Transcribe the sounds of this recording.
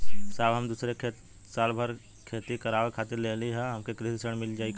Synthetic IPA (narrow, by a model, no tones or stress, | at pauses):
saːbɦɐmd̪uːsɾekʰe | saːlbʱəɾ | kʰeːt̪ikɐɾaːʋekʰaːt̪ɪɾleːliɦɛɦɐmkekɾɪsisəɽ̃mɪld͡ʒaːik